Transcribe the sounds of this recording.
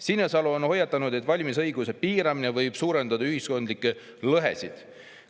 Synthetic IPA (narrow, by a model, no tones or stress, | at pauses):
sinːesɑluonho̞jːɑt̪ːˑɑnud̪̥et̪ːˑvɑlʲmisɤjɡuse̞piːɾɑminevɤjb̥suːɾe̞nd̪ɑd̪̥ɑyɦisko̞nd̪likːˑe | lɤɦe̞̰sid̪̥